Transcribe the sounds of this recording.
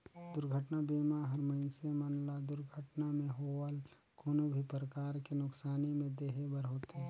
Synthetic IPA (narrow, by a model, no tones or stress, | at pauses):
d̪ʊɾɡʱəʈnabiːmaɦɐɾməɪnsemənlad̪ʊɾɡʱəʈnamẽɦoːəl | kʰoːnobʱipɾəkaːɾkinʊksaːnimẽd̪eːɦebəɾɦoːt̪ɦɛː